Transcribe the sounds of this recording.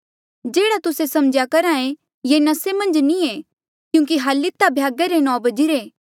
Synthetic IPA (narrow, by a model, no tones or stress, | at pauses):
d͡ʒeːɽat̪ʊsesɐmd͡ʒjakɐɾãẽ | jenɐsemɐ̃nd͡ʒnĩe | kjũːk̬iɦalːɪt̪ːabʱjaːɡeɾenɔ̃ːbɐd͡ʒiɾeː